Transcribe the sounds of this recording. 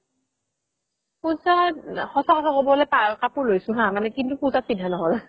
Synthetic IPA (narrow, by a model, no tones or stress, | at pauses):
puzaxɔsakɔtʰakobɔlɛpakapʊɹlojsʊ̃ɦãmanɛkintupuzat̚sidʱanɔɦɔl